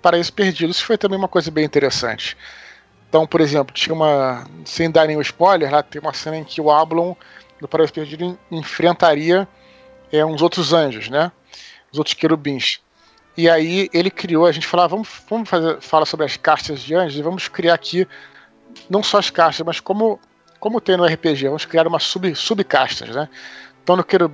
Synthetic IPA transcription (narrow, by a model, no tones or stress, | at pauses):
paɾaisʊ̥peɾd͡ʒid̪ʊisʊ̥fojt̪ɐ̃mbẽj̃umɐkojzɐbẽj̃ĩnt̪eɾesɐ̰̃nt͡ʃɪ̥̃ | t̪ɐ̃w̃poɾezẽmplʊt͡ʃĩɐũmɐsẽj̃d̪aɾẽj̃ʊɪspɔjleɾlat̪ẽj̃ũmɐsẽnɐẽj̃kʰɪʊablõw̃ | d̪ʊpaɾaisʊ̥pehd͡ʒid̪ʊ̃ẽfɾẽnt̪aɾiɐ | ɛũzowt̪ɾʊzɐ̃ʒʊznɛ | ũzowt̪ɾʊ̥skeɾubĩs | ɪaielɪkɾioɐʒẽnt͡ʃɪ̥falavɐ̃mʊʃvɐ̃mʊʃfazeɾfalasobɾɪɐskaʃt̪ɐzd͡ʒɪɐ̃ʒʊzɪvɐ̃mʊskɾiaɾakʰi | nɐ̃w̃sɔɐskaʃt̪ɐʃmɐskõmʊ | kõmʊt̪ẽj̃nʊɛɦɪpeʒevɐ̃mʊskɾiaɾũmɐsubɪsubɪka̰ʃt̪ɐ̰znɛ̃t̪ɐ̃w̃nʊkeɾub